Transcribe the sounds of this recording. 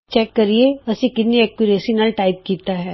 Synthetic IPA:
t͡ʃɛːkːɐɾieɐsikɪt̪neɛkuɾeːsinalʈaːɪp̚kiːt̪aɦɛː

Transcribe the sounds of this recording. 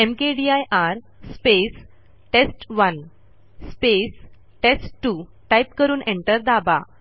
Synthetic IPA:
emkeɖiajʔaɾ | spes | ʈesʈʋən | spes | ʈesʈʈu | ʈajpkəɾuːnʔẽɳʈəɾd̪aba̰

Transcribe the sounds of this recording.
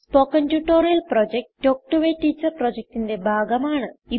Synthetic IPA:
spoːkːɐntuʈːo̞ːɾijɐlprod͡ʑek̚ʈːoːk̚ʈuʋeːtːiːt͡ɕːɐrprod͡ʑek̚tinde̞bʱaːɡɐmaːɳɨi

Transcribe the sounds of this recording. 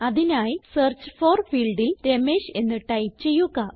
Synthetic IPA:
ɐðinaːjisert͡ɕɨ̥forfiːɭɖilɾemeːɕe̞nːiʈːɐjt͡ɕe̞jːuɣɐ

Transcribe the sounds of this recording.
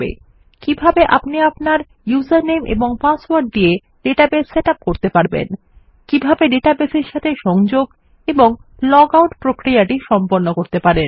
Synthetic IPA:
bḛ | kibʱabeʔa̰pniapnaɾ | juzaɾnemʔḛboŋpaswaɾɖ̚d̪ie | ɖeʈabesːeʈap̚koɾt̪epaɾbḛn | kibʱabeɖeʈabeseɾʃat̪ʰeʃɔŋd͡ʑoɡ | eboŋlɔɡawʈpɾokɾijaʈiʃɔmpoɾnːokoɾt̪epaɾen

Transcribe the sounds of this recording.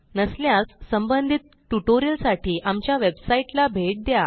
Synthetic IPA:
nəsljasːəmbənd̪ʱit̪̚ʈuʈoɾiəlsaʈiːʔamt͡ɕjaʋebsaiʈlabʱeʈ̚d̪ja

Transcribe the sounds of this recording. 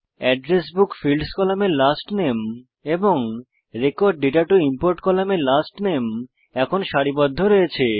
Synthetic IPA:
ɛɖɾesbukfilɖskɔlamelasʈnem | eboŋ | ɾekoɾɖːiʈaɾʈuimpoɾʈkɔlamelasʈnem | ɛkʰonʃaɽibɔd̪ʱːoɾojet͡ɕʰe

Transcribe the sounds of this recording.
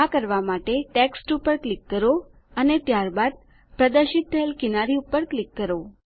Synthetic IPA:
akəɾʋamaʈeʈeksʈupəɾklikːəɾo | ənet̪jaɾbad̪̚ | pɾəd̪əɾʃit̪̚t̪ʰəelkɪnaɾiupːəɾklikːəɾo

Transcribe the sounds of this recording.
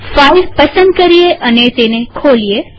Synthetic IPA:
faiʋpəsə̃nd̪̚kəɾieʔənet̪enekʰolije

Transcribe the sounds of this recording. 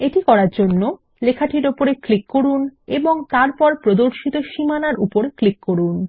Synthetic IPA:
eʈikɔɾaɾd͡ʑonːo | lekʰaʈʰiɾopoɾeklikːoɾuneboŋt̪aɾpɔɾpɾod̪oɾʃit̪oʃimanaɾṵpoɾeklikːoɾun

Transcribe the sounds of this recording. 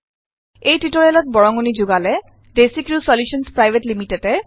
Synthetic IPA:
ejtɹitɔɹɛlɔt̚bɔɹɔŋunizuɡalɛ | desikɹusɔljusɔnspɹajbʱetlimitɛtɛ

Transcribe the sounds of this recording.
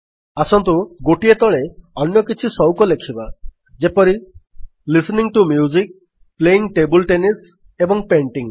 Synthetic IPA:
asɔnt̪uɡoʈiet̪ɔɭeɔnjɔkit͡ʃʰisɔwkɔlekʰiba | d͡ʒepɔɾi | lisniŋʈumjuzik̚ | pleiŋʈebɔlʈenis | ebɔŋpeɳʈiŋ

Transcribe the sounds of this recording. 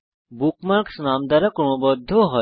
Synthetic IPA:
bukmaɾksnamd̪aɾakɔm̃ɔbɔd̪ʱːoɦɔ

